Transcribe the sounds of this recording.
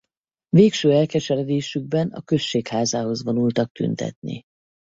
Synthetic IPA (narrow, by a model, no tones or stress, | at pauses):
veːkʃøːɛlkɛʃɛɾɛd̪eːʃyɡ̚bɛnɒ̰kø̞ʃːeːkhaːzaːɦo̞zvo̞nult̪ɒk̚t̪y̰nt̪ɛ̰t̪̚nḭ